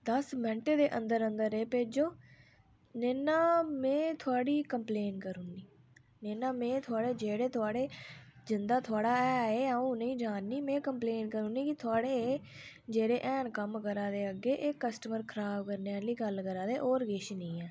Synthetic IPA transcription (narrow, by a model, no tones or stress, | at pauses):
d̪əsmɛ̃ɳʈeːd̪eːʔə̃nd̪əɾənd̪əɾeːpeːd͡ʒoː | neːnaːmẽːt̪ʰʊaːɽiːkəmpleːnkəɾuːniː | neːnaːmẽːt̪ʰʊaːɽeːd͡ʒeːɽeːt̪ʰʊaːɽeːd͡ʒɪnd̪aːt̪ʰʊaːɽaːɛːeːaũːnə̃ĩːd͡ʒaːnːiːmɛ̃ːkəmpleːnkəɾuːniːkɪt̪ʰʊaːɽeː | d͡ʒeːɾeːʔɛːnkəmkəɾãːd̪eːəɡeːʔeːkəsʈəməɾkʰəɾaːbkəɾneːaːliːɡəlkəɾaːd̪eːʔoːɾɡeʃnĩːɛː